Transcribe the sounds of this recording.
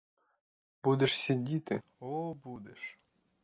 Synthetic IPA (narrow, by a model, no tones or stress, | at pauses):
bud̪ɛʂsʲidʲit̪ɪobud̪ɛʃ